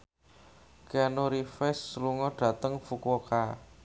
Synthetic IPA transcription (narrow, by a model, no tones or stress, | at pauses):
keanoɾifɛsːluŋɔɖ̥ä̤t̪əŋfukoka